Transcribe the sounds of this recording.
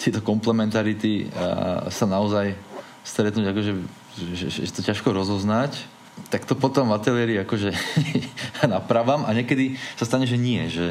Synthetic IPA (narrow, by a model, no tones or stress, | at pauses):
t̪ɪɛt̪ɔkɔmplɛmɛnt̪aɾit̪i | sanaɔzaj | st̪ɾɛt̪nuːɟakɔʒɛ | ʒɛ̰ʒɛ̰ʒɛt̪ɔcaʃkɔɾɔzɔznac | t̪akt̪ɔpɔt̪ɔmat̪ɛliɛɾiakɔʒɛ | napɾaʋamaɲɛkɛd̪isast̪aɲɛʒɛɲɪɛʒɛ